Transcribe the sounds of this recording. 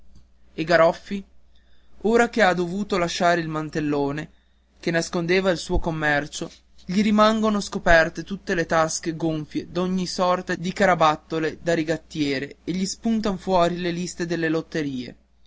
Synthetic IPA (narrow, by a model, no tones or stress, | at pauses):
eɡaɾɔfːi | oːɾakead̪ovuːt̪olaʃaːɾeilmant̪elːoːne | k̟enːaskond̪eːvailsuːokomːɛrt͡ʃo | ʎiɾimaŋɡonoskopɛrt̪et̪ut̪ːelet̪askeɡoɱfjed̪oɲːisɔrt̪ad̪ikaɾabat̪ːoled̪aɾiɡat̪ːjɛːɾeeʎispunt̪̬anfwɔːɾilelist̪ed̪elːelot̪ːeɾiːḛ